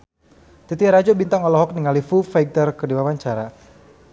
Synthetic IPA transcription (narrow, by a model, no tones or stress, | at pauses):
t̪it̪iaɾad͡ʒɔbint̪aŋɔlɔɦɔk̚niŋalifufaɡ̚t̪ərkədiwawaɲt͡ʃaɾa